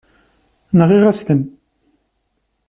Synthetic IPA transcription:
nəʁiʁæst̪əm

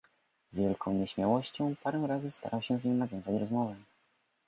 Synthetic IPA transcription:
z̥vʲjɛlkʰɔ̃w̃ɲɛɕmʲjawɔɕt͡ɕɔ̃w̃paɾɛw̃ɾazɘst̪a̰ɾawɕɛ̃vɲɔ̃w̃navʲjɔ̃w̃zat͡ɕɾɔzmɔvɛ

